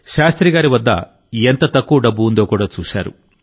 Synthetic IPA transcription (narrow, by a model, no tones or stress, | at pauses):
ʃaːst̪ɾiɡaːɾiʋɐd̪ːɐ̰ | ent̪ɐt̪ɐkːuɖɐbːuund̪oːkuːɽaːt͡ʃuːʃa̰ːɾṵ